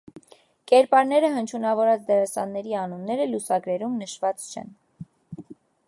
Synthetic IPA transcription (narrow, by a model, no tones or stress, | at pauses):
kɛɾpɑɾnɛɾəɦənt͡ʃʰunɑvɔɾɑt͡sʰd̪ɛɾɑsɑnːɛɾiɑnunːɛɾəlusɑɡɾɛɾumnəʃvɑt͡st͡ʃʰɛ̰n